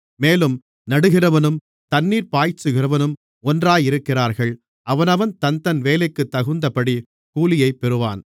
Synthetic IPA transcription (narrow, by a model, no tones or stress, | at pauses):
meːlɯm | nɐɽɯɣɪrɐʋɐnɯm | t̪ɐnːiːɾpaːjt͡ʃːɯɣɪrɐʋɐnɯm | ɔndraːjɪɾɯkːɪraːɾɣɐɭ | ʔɐʋɐnɐʋɐnt̪ɐnt̪ɐnʋeːlɐɪkːɯt̪ːɐɣɯnd̪ɐpɐɽi | kuːlɪjɐɪpːɛɾɯʋa̰ːn